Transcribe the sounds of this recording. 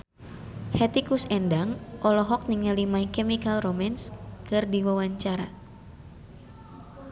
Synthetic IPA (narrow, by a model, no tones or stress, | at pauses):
hɛt̪ikusɛndaŋʔɔlɔɦɔk̚niŋəlimaikɛmikalromanskɨrdiwawaɲt͡ʃaɾa